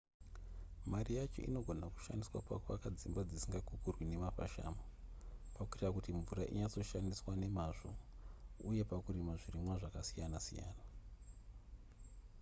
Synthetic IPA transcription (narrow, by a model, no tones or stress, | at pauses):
marijat͡ʃo̞̰ʔḭno̞ɡʱo̞naku̥ʃa̰ndiswa̰kwa̰kuakad͡zimbad͡zisiŋɡaɡʱukurwine̞mafa̰ʃa̰ːmopakuerakutiɱvuɾaʔḭɲat͡so̞ʃandiswane̞maʐo̰ | uje̞pakuɾimaʐirimwaʐakasijanasḭja̰ːna